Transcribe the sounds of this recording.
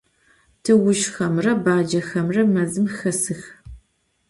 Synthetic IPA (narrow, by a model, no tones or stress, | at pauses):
tʰɨwʊʃxɐmrɐbaːd͡ʒɐxɐmrɐmɐzɨmxɐsɨx